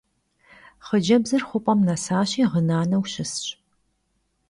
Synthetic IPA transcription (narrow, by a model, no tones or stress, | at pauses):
χəd͡ʒɐbzɐrχʷʊpʷʼɐmnɐsaːɕiːʁənaːnɐwɕɪsɕʼ